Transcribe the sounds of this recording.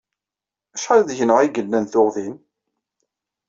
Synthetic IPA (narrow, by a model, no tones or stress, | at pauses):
æʃʁalðʝənəʁiɡəlːənθʊʁðin